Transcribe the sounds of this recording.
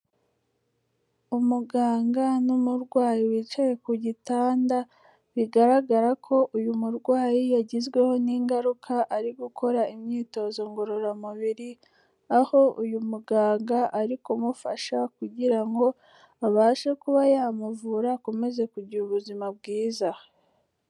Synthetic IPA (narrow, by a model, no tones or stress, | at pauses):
umuɡaːŋɡanumuɾɡwaːjiwit͡ʃaje̞kuɟitaːnda | βiɡaɾaɡaɾakʰo̞ʔujumuɾɡwaːjijaɟizɡwe̞ho̞niːŋɡaɾukʰaʔaɾiɡukʰo̞ɾaimɲiːto̞zo̞ŋɡo̞ɾo̞ɾamuβiɾi | aho̞ujumuɡaːŋɡaʔaɾikumufaʃakuɟiɾaŋɡo̞ | aβaːʃekuβajaːmuvuːɾaːkome̞ze̞kuɟiuβuzimab̚ɡiːza